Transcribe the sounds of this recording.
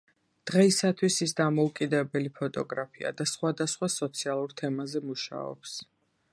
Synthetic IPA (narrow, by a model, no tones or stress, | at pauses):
d̪̥ʁɛisat̪ʰwisisd̪amɔukʼid̪ɛbɛlipʰɔt̪ʼɔɡɾapʰia̰d̪asχwad̪asχwasɔt̪sʰialˠuɾt̪ʰɛmazɛmuʃa̰ɔ̰ps